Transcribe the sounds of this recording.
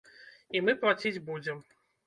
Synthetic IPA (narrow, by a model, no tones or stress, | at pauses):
imɨplˠat͡sʲid͡zʲbud͡zʲɛm